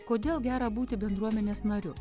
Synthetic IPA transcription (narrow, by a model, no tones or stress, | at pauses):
koːd̪ʲeːlˠɡʲæːɾɐbuːt̪ʲɪbʲɛnd̪ɾuɔmʲɛnʲeːsnɐɾʲʊ